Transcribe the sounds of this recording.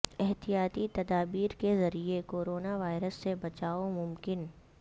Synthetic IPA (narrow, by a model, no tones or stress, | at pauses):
ɛɦt̪ijaːt̪it̪ɐd̪aːbiːɾkezɐɾiekoːɾoːnaʋaːɪɾəsːebɐt͡ʃaːomʊmkɪn